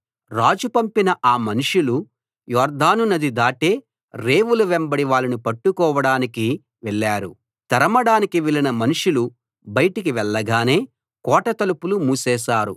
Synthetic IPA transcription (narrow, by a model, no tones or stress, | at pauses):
ɾaːd͡ʒupɐmpinɐʔaːmɐnuʂulu | jɔːɾd̪aːnunɐd̪id̪aːʈe̞ː | ɾe̞ːʋuluʋɛmbɐɽiʋaːɭɐnupɐʈːukɔːʋɐɽaːniki | ʋɛɭːaːɾṵ | t̪ɐɾɐmɐɽaːnikiʋɛɭinɐmɐnuʂulu | bɐjɐʈikiʋɛɭːɐɡaːne̞ː | kɔːʈɐt̪ɐlupulumuːsɛːʃaːɾṵ